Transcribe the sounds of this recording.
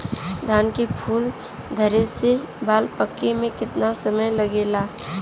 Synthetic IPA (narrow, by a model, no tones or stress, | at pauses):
d̪ʱaːnkepʰuːl | d̪ʱəɾese | baːlpəkːemẽkɪt̪nasəməjləɡeːlaː